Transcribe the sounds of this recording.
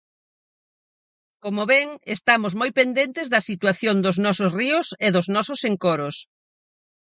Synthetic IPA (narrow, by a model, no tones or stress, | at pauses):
komoβɛŋest̪amʊzmojpend̪ent̪ɪzðɐsit̪waθjond̪ʊznɔsʊsriʊseðʊznɔsʊseŋkoɾʊs